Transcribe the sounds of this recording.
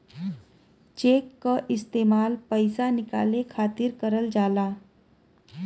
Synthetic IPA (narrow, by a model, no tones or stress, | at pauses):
t͡ʃeːkːaʔɪst̪eːmaːlpəɪsanɪka̰ːlekʰaːt̪ɪɾkəɾəld͡ʒaːlaː